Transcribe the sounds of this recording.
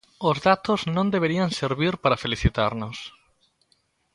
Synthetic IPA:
ozðat̪oznõnd̪eβ̞eɾiaŋseɾβ̞iɾpaɾafeliθit̪aɾnos

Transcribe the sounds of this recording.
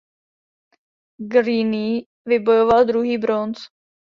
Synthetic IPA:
ɡɾini | vɪbo̞jovald̪ɾuɦiːbɾont͡s

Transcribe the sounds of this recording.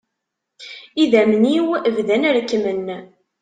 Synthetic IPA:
iðæmniwəvðænəɾkːmən

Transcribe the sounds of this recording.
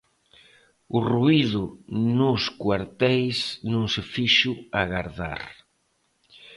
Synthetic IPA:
ʊruiðʊnʊskwaɾt̪ɛjsnũŋsɪfiʃʊaɣaɾða̰ɾ

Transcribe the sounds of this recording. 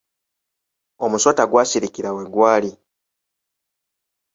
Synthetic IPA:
omuso̞taɡwaːsiɾikiɾaweɡwaːli

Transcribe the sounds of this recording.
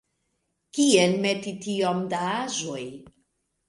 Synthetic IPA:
kiɛnmɛt̪it̪iɔmd̪aazoj

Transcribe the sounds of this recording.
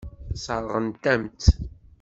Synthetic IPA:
səɾˤʁənt̪æmt̪

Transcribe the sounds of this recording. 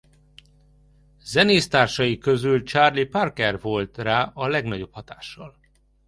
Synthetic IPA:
zɛneːst̪aːrʃɒjikø̞zylt͡ʃaːrliparkɛrvo̞lt̪raːʔɒlɛɡnɒɟo̞phɒt̪aːʃːɒl

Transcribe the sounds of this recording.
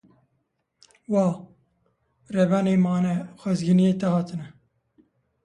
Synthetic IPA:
wɑː | rɛbɑneːmɑːnɛxʷɛzɡinijeːt̪ɛhɑːt̪ʰɨnɛ

